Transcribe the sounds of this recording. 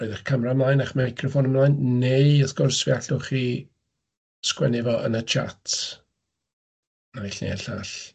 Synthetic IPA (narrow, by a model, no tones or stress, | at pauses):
rɔjðaχkʰamramlˠaːjnaχmajkʰrɔfɔnəmlˠaːjnneɨəθɡʊrsviaɬʊχi | skwɛ̰nɪvɔʔə̰nət͡ʃʰa̰tʰ | naiɬnḛaɬaɬ